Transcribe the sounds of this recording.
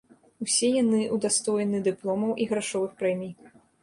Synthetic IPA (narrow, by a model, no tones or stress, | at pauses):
usʲɛjanɨʔud̪ast̪ɔjɛnɨd̪ɨplˠɔmɐwʔiɣɾaʂɔvɨxpɾɛmʲij